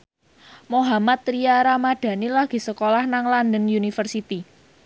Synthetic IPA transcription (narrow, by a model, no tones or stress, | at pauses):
moɦamat̪̚ɾiaɾamaɖ̥a̤nilaɡ̥i̤səkolahnaŋland̪ənjunifərsit̪i